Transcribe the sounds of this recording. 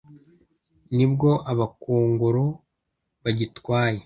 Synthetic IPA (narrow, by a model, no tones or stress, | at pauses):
nibɡo̞ʔaβakuːŋɡuɾu | βaɟitwaːje̞